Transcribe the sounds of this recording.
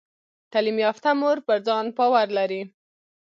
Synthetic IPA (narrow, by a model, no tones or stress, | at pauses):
t̪alimjɑft̪amoɾpəɾd͡zɑnpɑwaɾlaɾi